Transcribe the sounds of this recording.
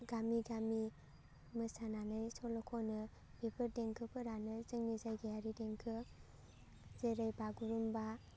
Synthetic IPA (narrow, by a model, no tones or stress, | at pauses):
ɡamiɡami | mɯsananɯjsɔlɔkʰɔnɯ | b̥epʰɯɾdeŋkʰɯpʰɯɾanɯzɯŋnizajɡajaɾideŋkʰɯ | zeɾajbaɡuɾumba